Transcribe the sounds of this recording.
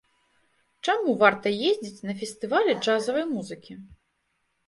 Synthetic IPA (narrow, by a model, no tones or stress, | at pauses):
t͡ʂamuvart̪ɐjezʲd͡zʲit͡sʲnɐfʲɛst̪ɨvalʲɛd͡ʐazɐvɐjmuzɨkʲi